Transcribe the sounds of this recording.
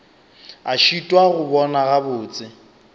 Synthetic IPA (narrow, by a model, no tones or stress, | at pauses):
aʃitʼwaɣʊbɔnaɣabʊːt͡sʼɪ